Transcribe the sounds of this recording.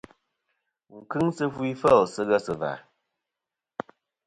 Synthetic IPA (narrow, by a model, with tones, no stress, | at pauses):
ŋ̩˨kɨ˦ŋsɨ˦fwi˦fə˦˨lsɨ˦ɣə˦sɨ˨va̰˨